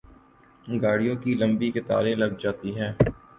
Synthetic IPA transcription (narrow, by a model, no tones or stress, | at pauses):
ɡaːɽijõkilɐ̃mbiket̪a̰ːlẽlɐɡd͡ʒaːt̪iɦɛː